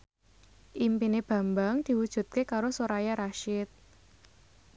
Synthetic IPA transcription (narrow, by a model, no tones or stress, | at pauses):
ʔimpineb̥a̤mbaŋd̪̥i̤wud̥ʒ̥ṳt̪̚kekaɾosoɾajaɾaʃɪt̪̚